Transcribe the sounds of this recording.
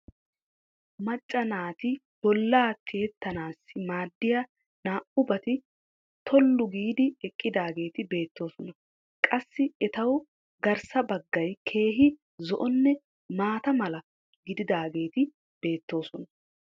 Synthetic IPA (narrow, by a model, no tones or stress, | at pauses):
mɐt͡ʃʼːɐnaːt̪ɪ | b̥ɔlːaːt̪ʰːeːt̪ːɐnaːsːɪmaːd̪ːɪjɐ | naːʔʊbɐt̪ɪ | t̪ʰɔlːʊɡiːd̪ɪɛkʼːɪd̪aːɡe̞ːt̪ɪbe̞ːt̪ːo̞ːsɔnɐ | kʼɐsːɪɛt̪ɐw | ɡɐɾsɐbɐɡːɐjkʰe̞ːɦɪ | zɔʔɔnːɛ | maːt̪ɐmɐlɐ | ɡɪd̪ɪd̪aːɡe̞ːt̪ɪ | b̥e̞ːt̪ːo̞ːsɔnɐ